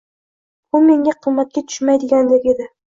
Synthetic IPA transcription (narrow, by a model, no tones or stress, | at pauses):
bʊme̞ŋʲaqʰɨmːat̪̚kʲat̪ʰʊ̥ʃmajd̪ɪɡʲand̪ekʲe̞d̪ɪ